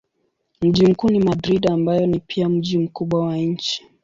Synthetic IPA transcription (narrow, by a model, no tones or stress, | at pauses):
m̩ʄim̩kuːnimadɾiɗambajɔnipʰiam̩ʄim̩kuɓwawaɲ̩t͡ʃi̥